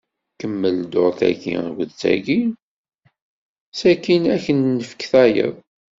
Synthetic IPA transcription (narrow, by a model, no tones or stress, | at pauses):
kəmːəld̪oɾθæ̰kḭɡəðt͡sæ̰ɡi | sækinæçənːəfə̥kθæjə̰ðˤ